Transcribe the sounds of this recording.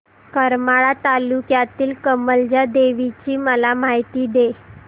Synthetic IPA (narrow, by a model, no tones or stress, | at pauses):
kəɾmaɭat̪alukjat̪iːlkəməld͡ʑad̪eʋit͡ɕiːməlamaɦjt̪iːd̪e